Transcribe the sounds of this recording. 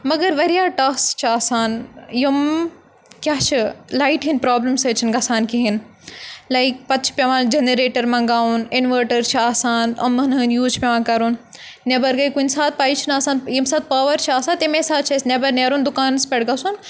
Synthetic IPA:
mɐɡɐɾʋɐɾijaːʈɐxst͡ʃʰaːsaːnjim | kjaːt͡ʃʰɨlaːɪʈɦinpɾaːbləmseːt͡ʃʰinɡɐsaːnkiɦin | laɪk̚pɐt̪t͡ʃʰpʲɐʋãːnd͡ʒeneɾeːʈɐɾmɐ̃ŋɡaːunɪnʋəːɾʈɐɾt͡ʃʰiaːsaːnɐmɐnɦɨnjuːt͡ʃʰpʲɐʋãːkɐɾuːn | nebɐɾɡɐjkunsaːt̪̚paːit͡ʃʰinaːsaːnjimsaːt̪̚paːʋɐɾt͡ʃʰaːsãːt̪emẽsaːt͡ʃʰɐsnebɐɾneːɾuːnd̪ʊkaːnspʲeɽɡɐsun

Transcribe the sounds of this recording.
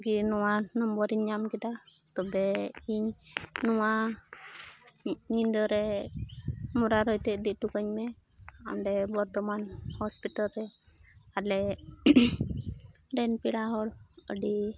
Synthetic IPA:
ɡinɔwanɔmbɔɾiɲːamkid̪a | t̪ɔbɛiɲnɔwa | ɲind̪ɔɾɛ | muɾaɾɔjt̪ɛʔd̪iʔ̚ʈukəɲmɛ | ɔ̰ɳɖɛbɔɾt̪ɔmanhɔspiʈalɾɛ | alɛ | ɖɛnpiɽaɦɔɽəɖi

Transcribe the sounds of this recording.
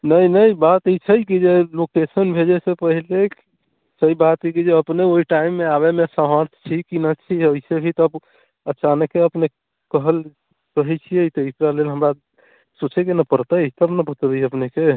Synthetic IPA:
nəjnəjbat̪et͡ʃʰəjkid͡ʒelokesənbʱed͡ʒɛsepəɦilek | səibat̪ikid͡ʒeəpneoiʈaimːeaβemesəɦəɾt̪ʰt͡ʃʰikinət͡ʃʰioisebʱit̪ɔəb | ət͡ʃanəkːeəpne | kəɦəl | kəɦɛt͡ʃʰijet̪ɔisɾalelɦəmɾa | sut͡ʃʰekenəpəɾt̪əjt̪əbnəbʱət̪biəpneke

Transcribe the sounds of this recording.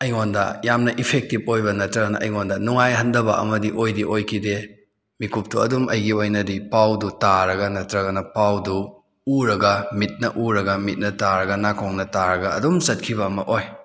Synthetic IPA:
ɐjŋondɐ̰jamnɐʔipʰek̚tip̚ojbɐnɐtɾɐɡɐnɐ̰ʔɐjŋondɐnuŋajɦɐndɐbɐʔɐ̰mɐdiʔojdiʔojkʰide | mikʰup̚tuɐdumɐjɡiojnɐdipawdutaɾɐɡɐnɐtɾɐɡɐnɐpawdu | uɾɐɡɐmit̚nɐʔuɾɐɡɐmit̚nɐtaɾɐɡɐnakʰoŋnɐtaɾɐɡɐɐdumsɐt̚kʰiβɐːmɐʔoj

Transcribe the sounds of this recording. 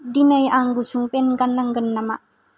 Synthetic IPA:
dinajʔaŋɡut͡ʃuŋpɛnɡanːaŋɡənːamaʔ

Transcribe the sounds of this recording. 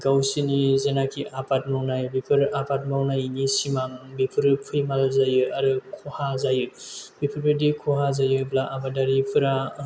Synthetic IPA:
ɡawsinizenakʰiʔapʰat̚mawnajbipʰɯɾapʰat̚mawnajnisimaŋbipʰɯɾpʰujmalzajɯaɾɯkʰɔhazajɯbipʰɯɾbidikʰuɦazajɯblaʔabadaɾipʰɯɾa

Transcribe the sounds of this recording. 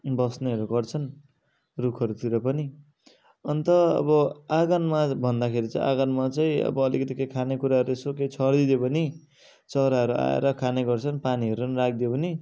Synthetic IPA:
bʌsneʌɾuɡʌrt͡sʰʌn | rukʰʌɾut̪iɾʌpʌni | ʌnt̪ʌʌ̰bʌaɡʌnmabʱʌnd̪akʰeɾit͡sʌḭ̃ʔaɡʌnmat͡sʌĩʌ̰bʌːlikʌt̪ikejkʰanekuɾaɦʌɾuesokejt͡sʰʌrd̪id̪jebʌni | t͡sʌɾaɦʌɾuʔa̰ḛɾʌkʰaneɡʌrt͡sʰʌnpaniʌɾuʌnɾak̚ʰd̪ijobʌni

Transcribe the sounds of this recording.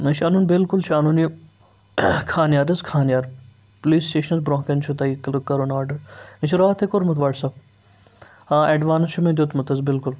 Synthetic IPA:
nɐt͡ʃʰɐnunbɪlkʊlt͡ʃʰɐnuni | kʰaːnjaːɾɐzkʰaːnjaːɾ | poliːsʈeːʃɐnɐzbɾõːkɐnt͡ʃʰut̪ɐikkɐɾoːnaːɖɐɾnɐt͡ʃʰiɾaːt̪ʰekoɾmɐt̪ʋaːʈsɐb | aːʔeɖʋaːnst͡ʃʰumẽd̪ʲut̪mɐt̪ɐzbɪlkʊl

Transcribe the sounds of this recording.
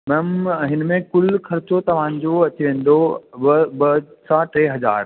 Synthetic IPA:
mɛmɦɪnmẽkʊlkʰɐɾt͡ɕot̪ɐʋ̤ã̆ːd͡ʑoɐt͡ɕiʋẽːn̆d̪oɐbɐsãʈeːɦɐza̰ːɾ

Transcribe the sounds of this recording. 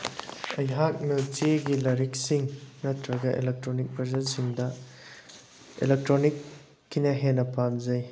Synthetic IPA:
ɐjɦak̚miutiɡilɐɾik̚siŋnɐtɾɐɡɐʔḛlek̚tɾonik̚bɐɾzɐlsiŋdɐ | ḛlek̚tɾonikː | inɐɦenɐpamzɐj

